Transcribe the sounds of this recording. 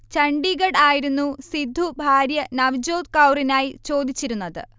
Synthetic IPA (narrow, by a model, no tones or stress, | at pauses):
t͡ɕɐɳɖiɡɐɽaːjiɾunːusid̪ʱːubʱaːɾjɐnɐʋid͡ʑo̞ːd̪kɐwrinaːjit͡ɕo̞ːd̪ʱit͡ɕːiɾunːɐðɨ̰